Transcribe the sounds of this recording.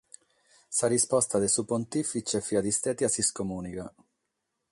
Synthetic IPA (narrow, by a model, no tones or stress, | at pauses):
sarispɔst̪ad̪esupont̪ifit͡ʃɛfiad̪ist̪ɛt̪jasiskomuːnika